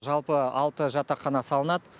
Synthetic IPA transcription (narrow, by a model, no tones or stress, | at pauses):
ʒɑlˠpəɑlˠt̪əʒɑt̪ɑqʰːɑnɑsɑlˠənɑd̪ə